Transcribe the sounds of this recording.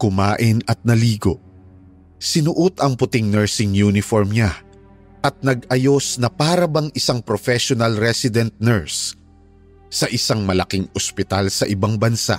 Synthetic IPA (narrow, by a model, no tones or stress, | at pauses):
kʊmaːʔɪnɐt̪̚nɐliːɡo̞ | sɪnʊʔʊt̪ɐŋpʊt̪ɪŋnɛɹsɪŋjunɪfoɹmɲa | ʔɐt̪̚nɐɡɐjo̞snɐpaːɾɐbɐŋʔɪsaŋpɾofɛʃonɐlɾɛsɪd̪ɛnt̪̚nɛɹs | ɐʔɪsaŋmɐlɐkɪŋospɪt̪alsɐʔɪbaŋbɐnsa̰ʔ